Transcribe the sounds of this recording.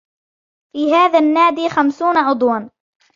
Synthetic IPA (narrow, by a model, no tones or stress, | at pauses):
fiːɦaːðaːnːaːd̪iːxamsuːnaʔʊd̪ˤwɑn